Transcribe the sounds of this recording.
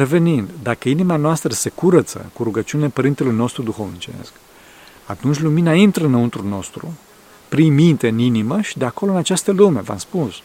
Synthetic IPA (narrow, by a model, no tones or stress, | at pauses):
ɾe̞ve̞nind̪d̪akəinimanoast̪ɾəse̞kuɾət̪sə̰kuɾuɡət͡ʃiunilepəɾint̪e̞lujno̞st̪ɾud̪uxo̞vnit͡ʃḛsk | at̪unt͡ʃʲluminəint̪ɾəɨnːəunt̪ɾulno̞st̪ɾṵ | pɾimint̪eɨniniməʃid̪eako̞loɨnat͡ʃast̪əlumeva̰mspus